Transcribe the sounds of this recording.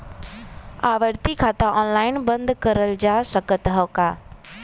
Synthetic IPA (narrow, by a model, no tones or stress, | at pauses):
aːʋəɾt̪ikʰat̪ãʔɔːnlaːɪnbə̃nd̪kəɾəld͡ʒaːsəkət̪ɦəkaː